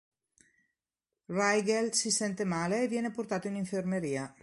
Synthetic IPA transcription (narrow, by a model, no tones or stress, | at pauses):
rajɣelsisent̪emaleːβjenepoɾt̪at̪oeniɱfeɾmeɾia